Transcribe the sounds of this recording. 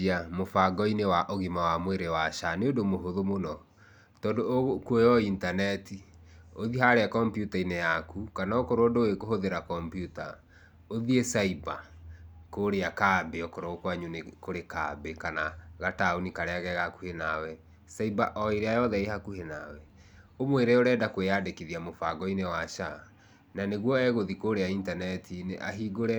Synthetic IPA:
amofaɡɔinewaʔoɣimawamweɾewaʃaneodomoɦoðomonɔ | tɔːndoɣokuojɔintanɛtioðiɦaɾeakɔmpjutainejakukanaokoɾodoekoɦoðeɾakɔmpjuta | oðiesaiba̰ | koːɾeakaːbeɔkoɾookwaɲunekoɾekabekanaɣataonikaɾeaɣɛɣakuhenawɛ | saibaʔɔeɾeajɔðɛehakuhena̰wɛ | omweɾeoɾɛːdakweadekiðiamofaɡɔinewaʃa | naneɣwɔɛɣoðikoɾeaintanɛtʰineʔa̰ɦiɡoɾɛ

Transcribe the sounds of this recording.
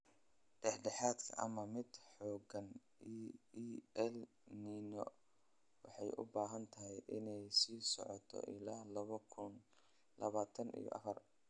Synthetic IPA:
ɖ̥ɛħɖɛħaːd̪kʰɐʔɐ̰mɐmɪd̪ħɔːɡɐn | i | ɛl | niːnɔ̰ | wɑħɑjʔʊ̰baːɦɐnt̪ʰɐɦɛjʔɪnɛjsiːsɔ̰ʕɔt̪ʰɔ̰ʔɪlaːlɐβɔkʰʊn | lɐβaːt̪ʰɐnḭjɔ̰ʔɐ̰fɐr

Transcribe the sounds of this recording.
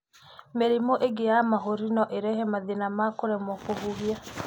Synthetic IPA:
meɾemoʔeɡejamaɦoɾinɔʔeɾɛhɛmaðenamakoɾɛmɔkoɦuβja

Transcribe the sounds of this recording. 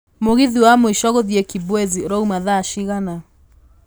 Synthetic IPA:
moɣiðiwamɔiʃɔɣɔðiɛkibwɛziɾɔumaðaːʃiɣana

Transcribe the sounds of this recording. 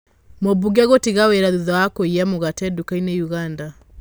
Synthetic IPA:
mobuɣaɣotiɣaweɾaðuðawakoiɛmoɣatɛdukainejuɣanda

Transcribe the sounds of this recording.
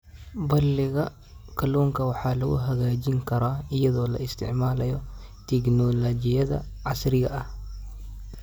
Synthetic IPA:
bɐlːɪɣɐ | kʰɐlɔːŋkɐwɑħaːlɐɣʊ̰ɦɐɣaːd͡ʒɪŋkʰɐɾaːɪjɐðɔːlɐ̰ɪst̪ʰɪ̰ʕmaːlɐjɔt̪ɛknɔlɐd͡ʒɪjɐðɐ̰ | ʕasɾɪɣɐʔɐh

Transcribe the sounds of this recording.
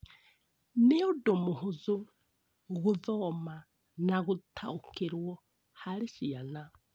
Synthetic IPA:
nɛɔdomuɦuzu | ɣuðɔma | naɣutʰaukiɾwɔ | haɾiʃiana

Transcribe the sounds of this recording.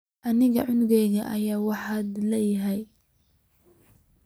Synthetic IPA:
ʔɐnɪɣɐ̰ʕʊnɣɛjɣɐʔɐjaːwɑħad̪lɛːjɪɦɛj

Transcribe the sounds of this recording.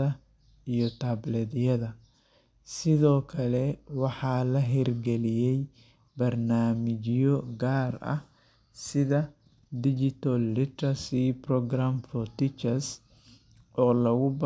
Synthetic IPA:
ɐ | ijɔt̪ʰablɛd̪jɐðɐ | sɪðɔːkʰɐlɛwɑħɑːlɐɦɛrɡɛlɪjɛj | bɐrnaːmɪt͡ʃɪjɔɡaːrɐ̰h | sɪðɐ | d̪ɪd͡ʒɪt̪ɐlːɪt̪ɐsiprɔɡramfɔt̪ɪt͡ʃɐs | ʔɔːlɐɣʊb

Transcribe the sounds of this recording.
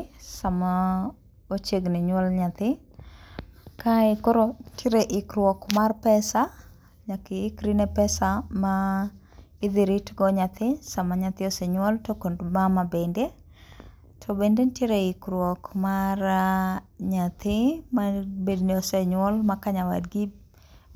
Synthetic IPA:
sama | ot͡ʃeɡnɪɲwɔlɲat̪ɪ | kaɪkɔɾɔtʰeɾeʔɪkɾwɔkmarpɛsa | ɲakɪːkɾinepɛsama | ɪd̪ɪɾitɡɔɲat̪ɪsamaɲat̪ɪɔsɛɲwɔltokondmamabende | tʰɔbendentjeɾeɪkɾwɔkmar | ɲat̪ɪmabedniɔseɲwɔlmakaɲawa̰dɡɪ

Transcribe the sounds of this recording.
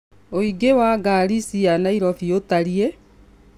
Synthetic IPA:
oiɡewaːɡaɾisianaiɾɔfiotaɾie

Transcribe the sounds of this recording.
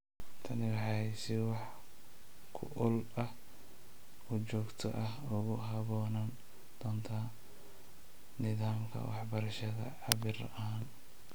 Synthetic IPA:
t̪ʰɐnɪɾɐħɑjsɪwɑħ | kʰʊ̰ʔʊlɐh | ʊt͡ʃɔːɡt̪ʰɔ̰ʔɐhʊɣʊɦɐβɔːnɐn | d̪̥ɔːnt̪ʰɐ | nɪðaːmkʰɐ̰wɑ̰ħbɐɾɐʃɐðɐ̰ʕɑβɪrʔaːn

